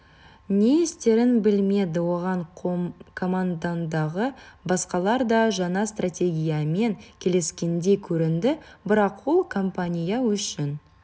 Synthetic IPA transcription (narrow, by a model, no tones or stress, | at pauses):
nʲeest̪e̞ɾɪnbɪlme̞d̪ɪwo̞ʁɑɴ | kʰo̞mand̪and̪ɑʁəbɑsqɑlˠɑɾd̪ɑʒɑɴɑst̪ratʲe̞ɡʲijame̞ŋkʲʰe̞le̞skʲe̞nd̪e̞kʲʰɵɾɪnd̪ɪbɪɾɑqwolˠkʰo̞mpanʲijawʏʃɪn